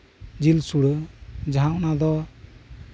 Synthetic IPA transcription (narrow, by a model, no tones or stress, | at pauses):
d͡ʒilsuɽɯd͡ʒaɦaʔnad̪ɔ